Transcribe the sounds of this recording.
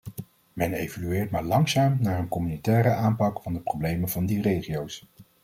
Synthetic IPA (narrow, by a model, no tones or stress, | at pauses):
mɛnejvolyɪːɹtmaːɹlɑŋsaːmnaːɹənkɔmynitɛːɾəaːmpɑkfɑndəprowblejməvɑndirejχijows